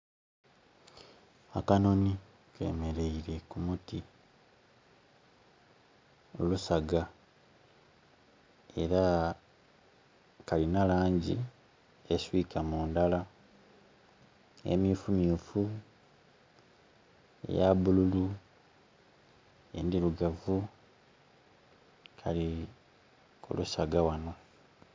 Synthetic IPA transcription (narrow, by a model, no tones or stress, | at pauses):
akano̞ni | kʰe̞̰me̞ɾe̞iɾe̞kumuti | olusaɡa | e̞̰ɾa | kalinalaːɲɟḭ | eswiːkʰamuːndala | ḛmjufumjuːfu | ḛjaβululu | ḛndiluɡavu | kʰa̰li | kṵlusaɡawano